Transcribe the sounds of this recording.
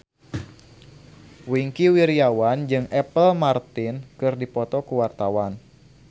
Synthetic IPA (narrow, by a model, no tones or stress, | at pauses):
wiŋkiwiɾiawand͡ʒɨŋʔɛpəlmart̪ɪnkɨrdipɔt̪ɔkuwart̪awan